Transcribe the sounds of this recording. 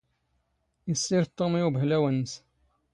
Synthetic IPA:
isːiɾt̪ˤːomiubəɦlæwənːəs

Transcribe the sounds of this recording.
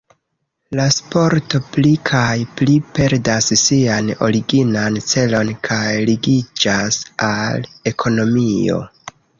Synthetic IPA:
laspo̞ɾto̞plikʰajplipe̞ɾdassiano̞̰ɾiɡinant͡se̞lo̞nkʰajliɡid͡ʒasale̞kʰo̞no̞mio̞̰

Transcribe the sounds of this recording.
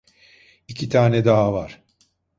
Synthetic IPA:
icʰit̪ʰaːnɛd̪aɦavaɾ̥

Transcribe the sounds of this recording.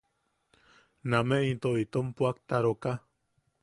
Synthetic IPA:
nameʔit̪oit̪ompuak̚t̪aɾoka

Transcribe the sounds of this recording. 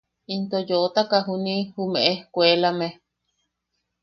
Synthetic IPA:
int̪ojoʔt̪akaɦunĩhumẽʔekʷelame

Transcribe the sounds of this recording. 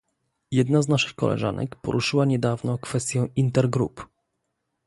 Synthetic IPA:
jɛd̪naznaʂɘxkɔ̰lɛ̰ʐa̰nɛ̰kpɔ̰ɾʔuʂɘwaɲɛd̪avnɔkfɛst̪ʲjɔ̃w̃int̪ɛɾɡɾṵp

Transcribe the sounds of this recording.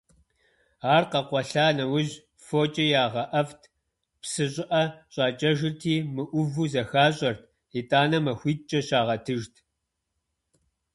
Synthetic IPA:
aːrqɐqʷɔɬaːnɐwʊʑ | foːt͡ʃʼɐjaːʁɐʔɐftʰ | psɨɕʼɪʔɐɕʼɑːt͡ʃʼɐʒɪrtʰiːmɨʔʷʊvuːzɐxaːɕʼɐrtʰ | itʼaːnɐmɐxʷiːt̚t͡ʃʼɐɕaːʁɐtʰɨʒtʰ

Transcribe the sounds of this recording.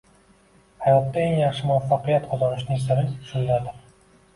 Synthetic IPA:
hajɒt̪ːaeŋjɑχʃɪmʊafːɑqɨjat̪qʰɒzɒnɪʃnɪŋsɪɾɪʃʊllad̪ɪ

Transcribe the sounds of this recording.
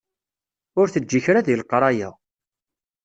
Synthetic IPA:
ʊɾθəd͡ʒːiçɾaðilqɾˤɑjæ̰

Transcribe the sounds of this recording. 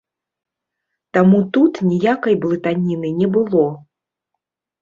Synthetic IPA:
t̪amut̪ut̪nʲijakɐjblˠɨt̪anʲinɨnʲɛbɨlˠɔ

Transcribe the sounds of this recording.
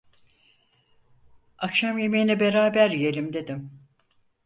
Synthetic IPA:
akʃamjemijinɛbe̞ɾaːbæɾjelʲimd̪e̞d̪im

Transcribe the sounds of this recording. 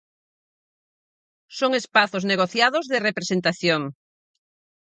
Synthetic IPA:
soŋespaθozneɣ̞oθjaðozðɪrepɾesent̪aθjoŋ

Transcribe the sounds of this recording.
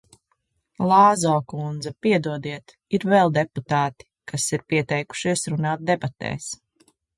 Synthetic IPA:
lˠaːzɔːkund̪zɐpiɛd̪uɔd̪iɛt̪ | iɾvɛlˠd̪ɛput̪aːt̪i̥kasiɾpiɛt̪ɛjku̥ʃiɛsɾunaːt̪̚d̪ɛbat̪ɛ̰ːs

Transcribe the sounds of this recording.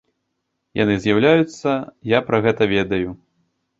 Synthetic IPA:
ja̰nɨzʲjawlʲajut̪sːɐjapɾɐɣɛt̪ɐvʲɛd̪ɐju

